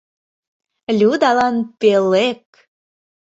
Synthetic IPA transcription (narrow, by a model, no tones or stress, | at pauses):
lʲud̪ɑlɑnpelek̚